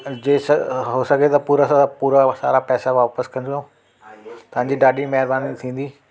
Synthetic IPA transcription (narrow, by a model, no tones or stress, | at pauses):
d͡ʑeːsɦoːsɐɡʱet̪ɐpuːɾasapuːɾasa̰ːɾapɛːsaʋaːpəskɐ̃nd̪õ | t̪ɐʋ̤ãːɲd͡ʑiːɖaːɖimɐɦɪɾbaːnit̪ʰĩːn̆d̪iː